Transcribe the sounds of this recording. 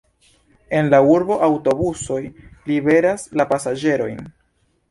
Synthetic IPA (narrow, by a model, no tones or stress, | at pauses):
e̞nlauɾbo̞ʔawto̞buso̞jlibe̞ɾaslapasad͡ʒe̞ɾo̞jn